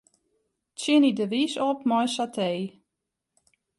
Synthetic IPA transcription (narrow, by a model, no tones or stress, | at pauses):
tsɪnidəʋisɔp̚mɔjsatʰeː